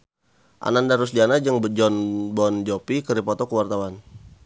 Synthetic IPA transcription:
ʔa̰nandaɾusdianad͡ʒəŋbd͡ʒɔnbɔnd͡ʒɔpikəɾipɔt̪ɔkəwart̪awan

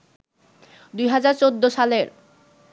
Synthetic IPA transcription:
d̪ujɦad͡ʑaɾt͡ɕod̪ːoʃaleɾ

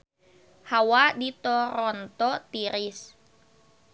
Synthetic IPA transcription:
hawadit̪ɔɾɔnt̪ɔt̪iɾis

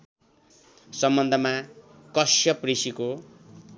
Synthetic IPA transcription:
sʌmbʌnd̪ʱʌma | kʌsjʌprisiko

